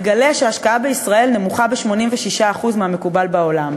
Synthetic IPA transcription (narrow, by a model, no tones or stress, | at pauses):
ɡale̞aʃeaʃkaabeisʁae̞lne̞muχabeʃmo̞nimveʃiʃaːχuzmeɦame̞kubalbao̞lam